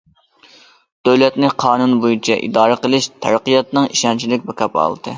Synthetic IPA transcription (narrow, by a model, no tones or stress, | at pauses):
d̪̥øwlɛt̪nɪqʰɑːnunbojit͡ʃʰɛʔḭd̪ɑːɾɨqəlˠɨʃt̪ʰæɾqijɑt̪nɨŋiʃɑnt͡ʃʰilɪk̚ʲbɛkʲʰɑpɑ̰lˠd̪̥ɨ